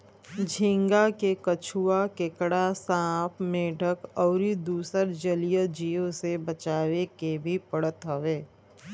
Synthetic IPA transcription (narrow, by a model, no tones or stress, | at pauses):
d͡ʒʱĩŋɡakekət͡ʃʰuakekɽasãːpʰmẽɖʱəkɔːɾid̪uːsəɾd͡ʒəlijəd͡ʒijõsebət͡ʃaːʋekebʱipəɽət̪ɦəʋeː